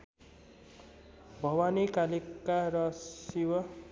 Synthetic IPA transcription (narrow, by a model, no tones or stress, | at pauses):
bʱʌwanikaliaɾʌsiwʌ